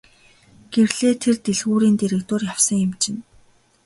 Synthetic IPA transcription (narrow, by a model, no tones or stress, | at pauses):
ɡ̥ewɮeːt̪ʰert̪eɮxuːɾiːnt̪eɾĕkt̪ʊːrjawsə̆ŋjɪmt͡ɕɪ̆n